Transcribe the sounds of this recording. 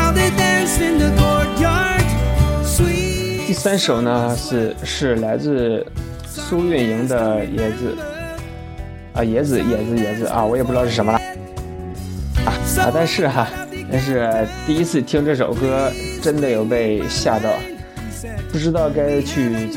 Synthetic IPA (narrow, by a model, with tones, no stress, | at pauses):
ðedænsɪnðənɔjɑd | t̪i˥˩sa˥nʂo˨˩ʊnə˦ʂ̩˥˧ʂɻ̩˥˩la˧˥ɪt͡sɹ̩˥˧ | su˥ɥɛ˥˩ni˧˥ŋd̪ə˧jɛ˧˥d͡zɹ̩˧˩ | ʔə̰˧jɛ˧˥d͡zɹ̩˧˩jɛ˧˥d͡zɹ̩˧jɛ˧˥d͡zɹ̩˧˦ʔɐ̰˧wɔ˧˥ɛ˨˩pu˥˧ɻ̩˥ɑ˥˧ʂ̩˥˩ʂə˧˥mə˧lə˧˩ | a˧˩a̰˧˩t̪a˥˧nʂɻ̩˥˩ɐ˩t̪a˥˧nʂ̬ɻ̩˥˩t̪i˥˩˧i˥t͡sʰɹ̩˥˩t̪ʰi˥ŋʈ͡ʂɤ˥˩ʂo˨˩ʊkɤ˥ʈ͡ʂə˥nd̪ə˨jo˨˩ʊpe˥˧ɪɕja˥˧t̪ɑ˥˩ʊ | pu˥˩ʈ͡ʂɻ̩˥t̪ɑ˥˩ʊka˥ɪt͡ɕʰy˥˧